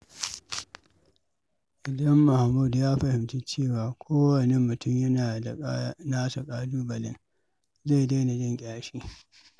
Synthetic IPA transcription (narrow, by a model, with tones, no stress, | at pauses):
ʔɪ˨dɐ˦mːʊ˨ha˨mːu˦˨djaː˦ɸɐ˨hɪ˨mti˦t͡ʃeː˦˨waː˨kʷʰoː˦wɐ˨ne˦mːʊ˨tʊ˦mjɐ˦naː˨a˨˦naː˦sa˨kʼaː˦duː˦bɐ˨lɪ̰˦ŋ | za˦˨da˦jna˨d͡ʒɪ˦ŋkʲʼaː˦ʃiː˦